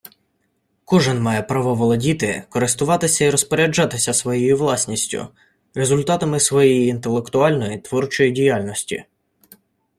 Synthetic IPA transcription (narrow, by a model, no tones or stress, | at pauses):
kɔʒɪnmɑjɛpɾɑʋɔʋɔlˠɔdʲit̪ɪkɔɾɪst̪ʊʋɑt̪ɪsʲɐiɾɔspɔɾʲɐd͡ʒɑt̪ɪsʲɐsʋɔjɛjiʋlˠɑsʲnʲisʲtʲʊ̰ | rezʊlʲt̪ɑt̪ɐmɪsʋɔjejiːnt̪e̞lˠekt̪ʊɑlʲnɔjit̪ʋɔrt͡ʃɔjidʲijalʲnɔsʲtʲḭ